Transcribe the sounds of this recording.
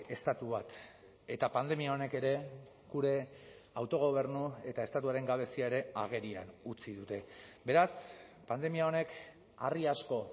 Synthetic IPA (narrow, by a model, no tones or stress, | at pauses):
e̞st̪at̪uβat̪ | e̞t̪apand̪e̞miao̞ne̞ke̞ɾe̞ | ɡuɾe̞ | awt̪o̞ɣ̞o̞β̞e̞ɾnue̞t̪ae̞st̪at̪̬uaɾe̞ŋɡaβ̞e̞siaeɾe̞a̰ɣ̞e̞ɾia̰nut͡siðut̪e̞be̞ɾaspand̪e̞miao̞ne̞k | ariasko̞